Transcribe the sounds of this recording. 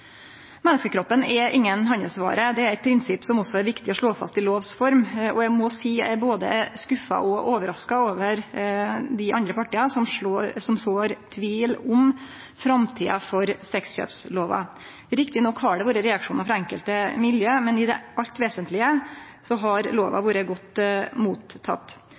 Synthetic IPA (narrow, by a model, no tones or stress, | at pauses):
mɛnːəskəkʰɾɔpːənɛʔɪŋːənɦɑnəsʋɑ̰ːɾəd̪ɛæɾɛɪt̪̚pʰɾɪnsɪpːsɔmɔsːɔæɾʋɪkt̪ɪɔʂɭoːfɑ̰st̪ɪloːʋsfɔɾmʔɔæɡmɔsiːæboːd̪ə̰skʉfɑ̰ʔɔʔoːʋəɾɑskɑoːʋəɾ | d̪ɪʔɑ̰nd̪ɾəpʰɑʈɪɑsɔmʂsɔmsoːɾt̪ʰʋiːlʊm | fɾɑmt̪ʰḭːɑfɔɾsɛksɕø̰ːpsloːʋɑ̰ | ɾɪk̚t̪ɪnɔkhɑɖɛʋoːɾəɾɛɑkʂuːnɑfɾɑɛŋkəlt̪əmɪljøːmɛnɪd̪ɛ̰ʔɑʎt̪ʋeːsənt̪lɪə | sɔɦɑɾloːʋɑ̰ʋuːɾəɡɔt̪ːmuːt̪ʰːɑ̰t̪ː